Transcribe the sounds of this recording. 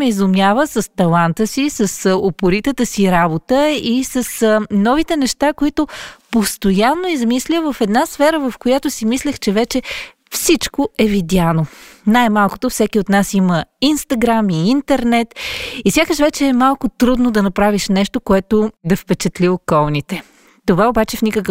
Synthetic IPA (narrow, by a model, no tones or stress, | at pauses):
ɛizʊmʲjavəsəst̪ɐlˠant̪əsisəsopʊɾit̪ət̪əsiɾabot̪əisəsnɔvit̪ɛnɛʃt̪akoit̪opost̪ojanːoizmislʲəvəfɛd̪nasfɛɾəvəfkojat̪osimislʲəxt͡ʃɛvɛt͡ʃɛ | fsit͡ʃkoɛvid̪ʲjanonajmalˠko̥t̪ofsɛkʲiot̪nasiməinst̪ɐɡɾamiint̪ɛɾnɛt̪isʲakəʃvɛt͡ʃɛːmalˠkʊt̪ɾud̪nod̪ɐnɐpɾaviʃnɛʃt̪okoɛt̪od̪ɐfpɛt͡ʃɛt̪liokɔlˠnit̪ɛ | t̪ovaobat͡ʃɛfnʲikək